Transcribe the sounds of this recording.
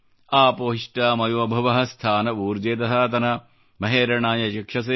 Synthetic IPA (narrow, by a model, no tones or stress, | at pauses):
aːpoːɦiʂʈaːmɐjuːɐbʱɐʋɐɦɐst̪ʰaːnɐuːɾd͡ʒeːt̪̬ɐɦɐt̪ɐnɐ | mɐɦeːɾɐɳaːjɐʃikʂɐs̬eː